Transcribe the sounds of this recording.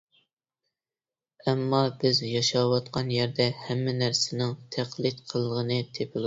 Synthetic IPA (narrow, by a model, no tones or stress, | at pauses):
ɛmːɑbɪzjɑʃɑwɑt̪̚qʰɑnjæɾd̪ɛhɛmːɪnæɾsɪnɪŋt̪ʰæqlˠɪt̪qʰəlˠːəʁənɨt̪ʰepʰɪl